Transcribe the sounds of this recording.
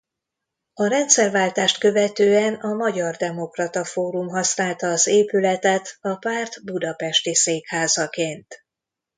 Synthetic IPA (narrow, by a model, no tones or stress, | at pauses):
ɒɾɛnt̪sɛrvaːlt̪aːʃt̪kø̞vɛt̪øːɛnɒmɒɟɒrd̪ɛmo̞krɒt̪ɒfoːɾumɦɒsnaːlt̪ɒːzeːpylɛt̪ɛt̪ɒpaːrt̪bud̪ɒpɛʃt̪iseːkhaːzɒkeːnt̪